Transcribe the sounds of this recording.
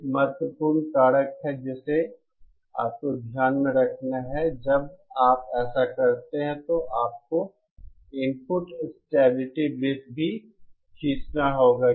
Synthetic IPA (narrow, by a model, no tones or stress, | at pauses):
mɐt̪wəpuːɾnkaːɽəkɦɛd͡ʒɛːse | a̰ːp̚kod̪ʱjaːnmeɾɐkʰnaɦɛd͡ʒɐbaːpɛːsakɐɾt̪eɦɛ̃t̪oʔaːp̚ko | ɪmpʊʈsʈɛːbɪlɪʈiblɪs̚bʱi | kʰiːt͡ʃnaɦoːɡaː